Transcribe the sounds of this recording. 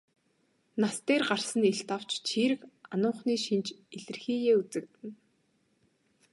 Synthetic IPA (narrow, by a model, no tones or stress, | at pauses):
nast̪eːrɢarsə̆niɬt̪aw̥t͡ɕt͡ɕʰiːɾɘ̆kanʊːχniːʃint͡ɕeɮɘ̆rxiːɣeːut͡sɘ̆k̚t̪ɘ̆n